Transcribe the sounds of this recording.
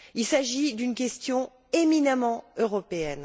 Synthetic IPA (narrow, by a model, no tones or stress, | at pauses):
ilsaʒid̪ynkʲɛst̪jɔ̃ | eminamɑ̃øʁɔpeɛn